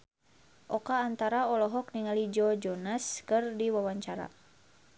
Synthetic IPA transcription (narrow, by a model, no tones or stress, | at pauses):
ʔɔkaːnt̪aɾaɔlɔɦɔk̚niŋalid͡ʒɔd͡ʒɔnaskɨrdiwawaɲt͡ʃaɾa̰